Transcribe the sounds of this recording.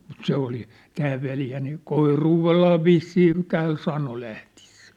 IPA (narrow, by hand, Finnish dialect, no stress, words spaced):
mut se oli tæː ʋeljæ niː koiruːʋelːɑː ʋisːiːn tæːn sɑno læhti̥e̥sːæ̥ː